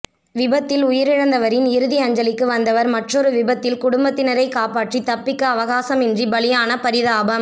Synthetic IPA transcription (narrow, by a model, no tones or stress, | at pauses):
ʋɪbɐt̪ːɪlʊjɪɾɪɻɐnd̪ɐʋɐɾɪnɪɾɯðiɐɲd͡ʒɐlɪkːɯʋɐnd̪ɐʋɐɾmɐʈrɔɾɯʋɪbɐt̪ːɪlkʊɽʊmbɐt̪ːɪnɐɾɐɪkaːpaːʈrit̪ɐpːɪkːɐːʋɐɣaːsɐmɪndribɐlɪjaːnɐpɐɾɪðaːbɐm